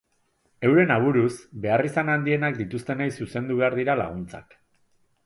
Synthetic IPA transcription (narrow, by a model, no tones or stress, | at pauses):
e̞wɾe̞naβ̞uɾusbe̞arisanand̪ie̞nak̚d̪it̪ust̪e̞najsuse̞nd̪uβ̞e̞aɾðiɾala̰ɣ̞unt͡sa̰k